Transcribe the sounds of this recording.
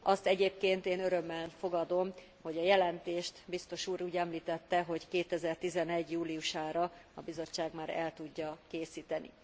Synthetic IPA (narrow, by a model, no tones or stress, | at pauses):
ɒst̪ɛɟeːpkeːnt̪eːnøɾø̞mːɛlfo̞ɡɒd̪o̞m | ho̞ɟɒjɛlɛnt̪eːʃt̪bist̪o̞ʃuːɾuːɟɛmliːt̪ɛt̪ːɛɦo̞ckeːt̪ɛzɛrt̪izɛnɛɟjuːlijuʃaːɾɒɒbizo̞t͡ʃːaːɡmaːɾɛ̰lt̪uɟːɒkeːsiːt̪ɛnḭ